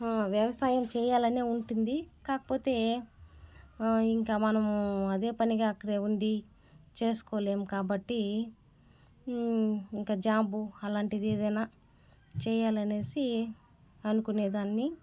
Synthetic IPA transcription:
ʋjɐʋɐsaːjɐmt͡ʃɛːjaːlɐneːuɳʈund̪ikaːkɐ̥po̞ːt̪e̞ː | iŋkaːmɐnɐmɐd̪e̞ːpɐniɡaːɐkːɐɽe̞ːuɳɖi | t͡ʃeːsu̥koːle̞ːmukaːbɐʈːi | iŋkaːd͡ʒaːmbuɐlaːɳʈid̪ie̞ːd̪ɐjnaː | t͡ʃɛːjaːlɐne̞ːsi | ɐnukuneːd̪aːnːi

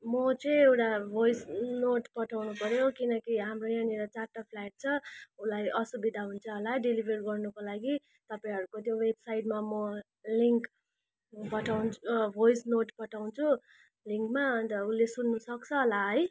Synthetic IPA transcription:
mʌt͡sʌĩewʈabʱojsnoʈpʌʈʰawnupʌɾjokinʌkiɦamrojaneɾʌt͡sarʈapʰlaʈ̚t͡sʰʌulajʔʌsubid̪ʱaɦunt͡sʰʌːlaɖilibʱerɡʌrnʌkolaɡi | t̪ʌpaĩɦʌɾukot̪jowebsajʈ̚mamʌ | liŋk | pʌʈʰawnbʱojsnoʈpʌʈʰawnt͡sʰu | liŋkmaʌnt̪ʌulesunːusʌkt͡sʰʌːlaɦʌj

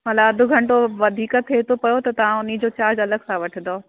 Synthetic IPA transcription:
mɐlaɐd̪ʱʊ̆ɡʱɐ̃ɳʈoʋɐd̪ʱiːkət̪ʰet̪ʰopɐjot̪ɐt̪ɐʋ̤ãʊnid͡ʑoːt͡ɕaːd͡ʑɐləɡsãʋɐʈʰə̃nd̪oː

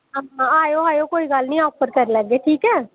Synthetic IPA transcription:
ɦəmãaːjoaːjoːkoːiɡəlnĩɔːpəɾkəɾləɡeːʈʰiːkɛː

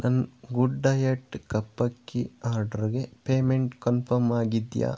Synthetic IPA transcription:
nɐnɡuɖːɐjɐʈːkɐpːɐkːiaːɾɖɐɾiɡepeːmeɳʈkɐnpʰɐɾmaːɡid̪ja̰ː

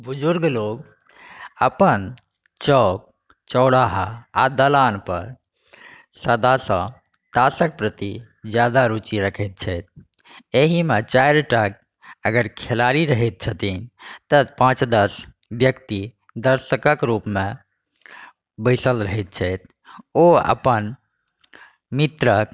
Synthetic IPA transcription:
bud͡ʒuɾɡloɡ | əpən | t͡ʃɔk̚ | t͡ʃəʊɽaɦaad̪əlanpə̰ɾ | səd̪asə̰̃ | t̪asək̚pɾət̪i | d͡ʒjad̪aɾut͡ʃiɾəkʰəɪt̪̚t͡ʃʰɛjt̪̚ʰ | eɦimet͡ʃajɾʈak̚ | əɡəɾkʰelaɾiɾəɦɛt̪̚t͡ʃʰət̪int̪əpãt͡ʃd̪əs | bjəkt̪i | d̪əɾsəkəkɾupme | bəɪsəlɾəɦɛt̪̚t͡ʃʰɛjt̪ʰ | oə̰pən | mit̪ɾək

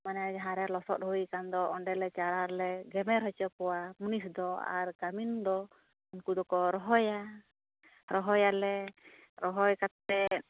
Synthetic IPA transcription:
manɛɦaɾɛlɔsɔ̰t̪̚hujkand̪ɔɔɳɖɛlɛt͡ʃaɾaɾlɛɡɛmɛɾɦɔt͡ʃɔkɔwamunisd̪ɔa̰ɾɡamind̪ɔ | unkud̪ɔkɔɾɔɦɔja | ɾɔɦɔjalɛ | ɾɔɦɔjkat̪ːɛ

